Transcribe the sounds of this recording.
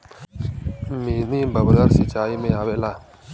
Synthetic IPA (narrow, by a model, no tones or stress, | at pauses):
miːniːbəbdəɾsit͡ʃaːiːmẽaːʋelaː